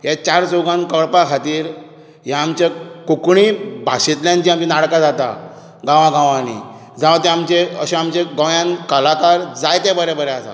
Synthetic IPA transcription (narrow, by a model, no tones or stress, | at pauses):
ɦet͡ɕaɾt͡soɡãnkəɭpakʰat̪iːɾ | jaːmt͡ɕakukɳibʱaɕit̪ljãnt͡ɕĩamt͡ɕinaɽkad͡zat̪a̰ | ɡãʋãɡãʋanḭ | d͡zãʋt̪eamt͡ɕeə̰ɕẽamt͡ɕeɡə̃wjãnkəlakaɾd͡zajt̪ẽbəɾebəɾeasa̰